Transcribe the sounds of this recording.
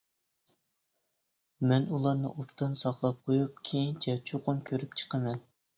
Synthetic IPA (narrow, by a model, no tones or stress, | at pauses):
mɛnulˠɑɾnɨ̰ʔopt̪ʰɨnsɑχlˠɑp̚qʰojup̚kʲʰejint͡ʃʰɛt͡ʃʰoqʊnkʲʰøɾyp̚t͡ʃʰə̥qʰəmɛn